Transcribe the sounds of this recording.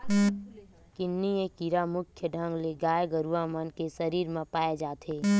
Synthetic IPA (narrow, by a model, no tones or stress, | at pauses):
kɪnːiekiɾamʊkʰjəɖʱə̃ŋɡleɡaːjeɡəɾuʋamənkesəɾiːɾmãpaːed͡ʒaːt̪ʰeː